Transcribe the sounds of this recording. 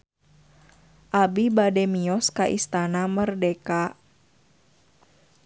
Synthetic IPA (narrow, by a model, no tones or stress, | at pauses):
ʔabibadɛmiɔskaʔḭst̪anamərdɛka